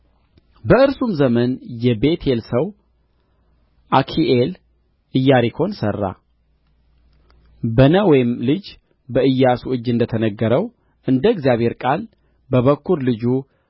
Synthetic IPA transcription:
bəɨɾsumzəmənjɛbet̪ʰelsəw | ʔakʰiʔel | ʔɨjːaɾikʰo̞nsərːa̰ | bənəwɔjɪmlɨd͡ʒ | bəɨjːasuʔɨd͡ʒːɨnd̪ət̪ʰənəɡːəɾəw | ʔɨnd̪əɨɡzijaβhe̞ɾkʼal | bəβəkʰːuɾlɨd͡ʒu

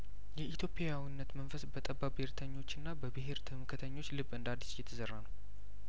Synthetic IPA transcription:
jɛʔit̪ʰjo̞pʼejawinːət̪mənfəsbət̪ʼəbːabeɾt̪ʰəɲːo̞t͡ʃːɨnːabəbɨɦeɾt̪ʰɨmɨkʰət̪ʰəɲːo̞t͡ʃːlɨβɨnd̪ad̪isjɛt̪ʰəzərːanəw

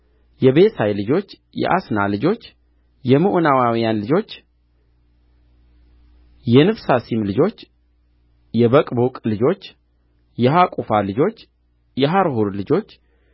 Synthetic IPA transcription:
jɛbe̞sajlɨd͡ʒo̞t͡ʃː | jɛ̰ʔa̰sna̰lɨd͡ʒo̞t͡ʃː | jɛmɨʔunawawijanlɨd͡ʒo̞t͡ʃː | jɛnɨbsasimlɨd͡ʒo̞t͡ʃː | jɛβəkʼbokʼlɨd͡ʒo̞t͡ʃː | jɛɦakʼufalɨd͡ʒo̞t͡ʃː | jɛɦaɾɦuɾlɨd͡ʒo̞t͡ʃː

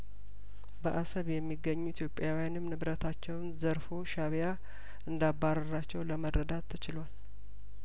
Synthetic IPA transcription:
bəʔasəβjɛmːiɡːəɲːuit̪ʰjo̞pʼːjawijanɨmnɨβɾət̪ʰat͡ʃːɛwnzəɾfo̞ʃaβja | ʔɨnd̪abːaɾəɾat͡ʃːɛwləməɾəd̪at̪ʰːɨt͡ʃɪlwal

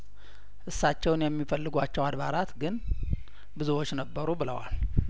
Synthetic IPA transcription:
ʔɨsːat͡ʃːɛwnjɛmːifəlːɨɡʷat͡ʃːɛwad̪βaɾat̪ɡɨn | bɨzuwo̞t͡ʃːnəbːəɾubɨlə̰wa̰l

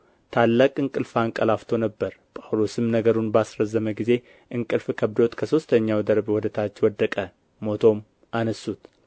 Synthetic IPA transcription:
t̪ʰalːakʼɨŋkʼɨlfaŋkʼəlaft̪ʰo̞nəbːəɾpʼawlosɨmnəɡəɾunbasɾəzːəməɡize̞ | ʔɨŋkʼɨlfkʰəβd̪o̞t̪kʰəso̞st̪ʰəɲːawd̪əɾbwɔd̪ət̪ʰat͡ʃːwɔd̪ːəkʼə | mo̞t̪ʰo̞m | ʔanəsːut̪

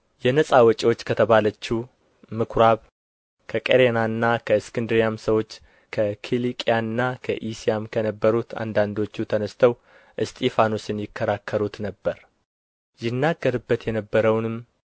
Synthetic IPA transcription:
jɛnəsʼawɔt͡ʃʼiwo̞t͡ʃːkʰət̪ʰəβalət͡ʃːu | mɨkʰɾaβ | kʰəkʼeɾenaɨnːakʰəɨskʰɨnd̪ɾijamsəwo̞t͡ʃː | kʰəkʰilikʼijaɨnːakʰə̰ʔisijamkʰənəbːəɾut̪ʰa̰nd̪and̪o̞t͡ʃːut̪ʰənəst̪ʰəw | ʔɨst̪ʰʼifanosɨnjɪkːəɾakʰːəɾut̪nəbːəɾ | jɪnːaɡːəɾɨbːət̪jɛnəbːəɾəwnɨm

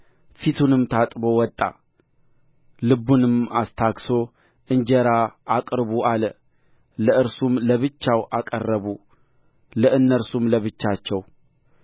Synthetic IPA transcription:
fit̪ʰunɨmt̪ʰat̪ʼbo̞wɔt̪ʼːa̰ | lɨbunɨmast̪ʰakso̞ | ʔɨɲd͡ʒɛɾaakʼɾbuʔalə | ləɨɾsumləβɨt͡ʃːawʔakʼə̰rːəβu | ləɨnːəɾsumləβɨt͡ʃːat͡ʃːɛw

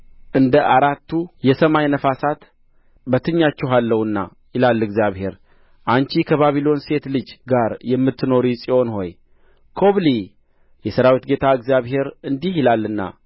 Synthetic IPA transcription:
ʔɨnd̪əʔaɾat̪ːujɛsəmajnəfasat̪ | bət̪ʰɨɲːat͡ʃːɛɦalːəwɨnːa̰ | jɪlalːɨɡzijaβhe̞ɾ | ʔant͡ʃikʰəβaβilo̞nse̞t̪lɨd͡ʒɡaɾjɛmːɨt̪ʰːɨno̞ɾisʼio̞nho̞̰j | kʰo̞βli | jɛsəɾawit̪ɡe̞t̪ʰaɨɡzijaβɦe̞ɾɨnd̪ihɪlalːɨnːa̰

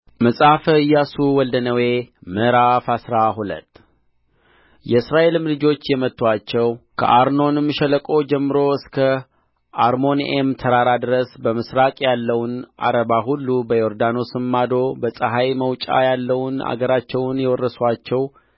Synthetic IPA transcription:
məsʼafɨjːasuwɔld̪ənəwe̞məɾafasɾaɦulə̰t̪ː | jɛɨsɾaʔe̞lɨmlɨd͡ʒo̞t͡ʃːjɛmət̪ːwat͡ʃːɛwkʰə̰ʔaɾno̞nɨmːɨʃɛləkʼo̞d͡ʒɛmːɨɾo̞ɨskʰə | ʔaɾmo̞nʔemt̪ʰəɾaɾad̪ɨɾəsbəmɨsɾakʼjalːəwnʔa̰ɾəβaɦulːubəjoɾd̪ano̞sɨmːad̪o̞bəsʼəɦajməwt͡ʃʼa̰jalːəwna̰ɡəɾat͡ʃːɛwnjɛwɔrːəswat͡ʃːɛw

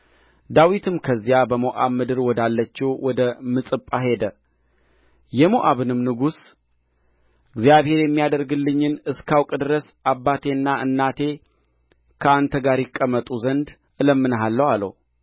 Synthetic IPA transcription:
d̪awit̪ʰɨmkʰəzːijabəmoʔaβmɨd̪ɨɾwɔd̪alːət͡ʃːɛwwɔd̪əmɨsʼɨpʼaɦe̞d̪ə | jɛmoʔaβɨnɨmnɨɡus | ʔɨɡzijaβhe̞ɾjɛmːijad̪əɾɡɨlːɨɲːɨnɨskʰawkʼd̪ɨɾəs | abːat̪ʰe̞nːaʔɨnːat̪ʰe̞ | kʰəant̪ʰəɡaɾjɪkʼːəmːət̪ʼuzənd̪ | ʔɨləmːɨnəɦalːəwalə̰w

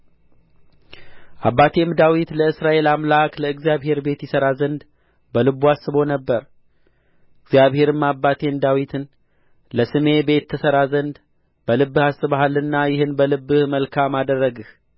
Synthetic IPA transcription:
ʔabːat̪ʰe̞md̪awit̪ləɨsɾaʔe̞lamlakləɨɡzijaβhe̞ɾbe̞t̪jɪsəɾazənd̪ | bəlɨβuasːɨβo̞nəbːəɾ | ɨɡzjaβhe̞ɾɨmːabːat̪ʰe̞md̪awit̪ʰɨn | ləsɨme̞be̞t̪ʰːəsəɾazənd̪ | bəlɨbːɨhasɨβaɦalɨnːajɪhɨnbəlɨbːɨhməlkʰamad̪ərːəɡɨh

